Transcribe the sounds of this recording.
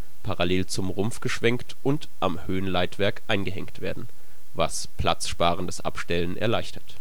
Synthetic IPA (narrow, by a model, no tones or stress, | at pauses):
pʰaʁaleːlt͡sʊmʁʊmfɡ̥əʃv̥ɛŋktʔʊntʔamhøːənlaɪtv̥ɛɐkʔaɪnɡəɦɛŋktv̥eːɐdn̩ | vas | pʰl̥at͡sʃpaːʁ̞əndasʔa̰pʃtɛlənʔɛ̰ɐlaɪçtʰɐt